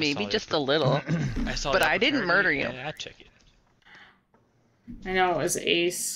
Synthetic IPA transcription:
meɪbid͡ʒʌstəlɪɾl̩ˠasb̥ʌɾaɪdɪdⁿn̩mɜ˞ɾə˞jʉ̰t͡ʃʰɛk̚ | aɪnoʊət̚wʌzḛɪs

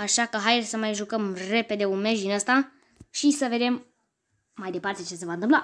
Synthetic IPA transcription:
aʃakəɦajrsəmajʒukəmre̞pe̞d̪e̞unme̞ʒd̪inəst̪a | ʃisəve̞d̪e̞mː | ajd̪e̞part̪e̞t͡ʃe̞se̞vaɨnt̪ɨmpla

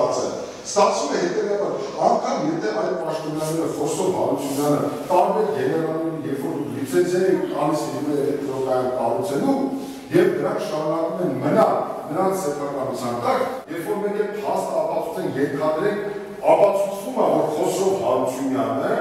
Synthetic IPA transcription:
t͡sə̰ | st̪ɑt͡sʰvumɛɦɛt̪ɛvɑbɑɾ | ɑŋkʰɑmjɛt̪ʰɛvɑjt̪pɑʃt̪ɔnjɑnɛɾəχɔsɔvhɑɾut͡sʰunjɑnət̪ɑɾvɛlɡɛnɛvɑlnɛɾinjɛɾfɔɾd̪ukʰlut͡sɛnt͡sʰɛɾɛut̪ɑnislimɛləɛt̪ɔɾɔk̪ɑjɛnɑrut͡sʰɛnum | jɛvnəɾɑŋkʰʃɑɾunɑkumɛnmənɑlnəɾɑnt͡sʰsɛpʰɑkɑnut͡sʰjɑnkɑɾkʰjɛɾfɔɾmɛkɛpʰhɑst̪əɑpɑt͡sʰu̥t͡sʰɛnjɛɾk̪ʰɑd̪əɾɛŋkʰ | ɑpɑt͡sʰut͡sʰvumɑvɔɾχɔsɔvhɑɾut͡sʰjunjɑnə

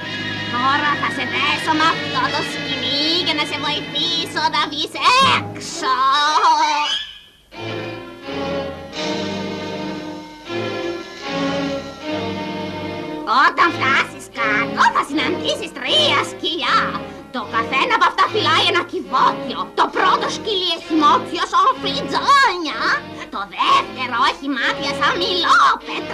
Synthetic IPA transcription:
t̪oɾaθasetesomaft̪ot̪oskiliɡenasevoip̪isoðavisekso | ot̪ɐɱvɣɐsiskɐt̪oθɐsinɐnd̪isist̪ɾiɐsciʎɐ | t̪o̞kɐθenɐːpoɐft̪ɐfilɐjenɐkivot̪io̞t̪o̞pɾot̪o̞scilieçimot̪iosofid͡zoɲɐ | t̪o̞ðeft̪e̞ɾoeçimɐθiɐsɐmilopet̪ɾ

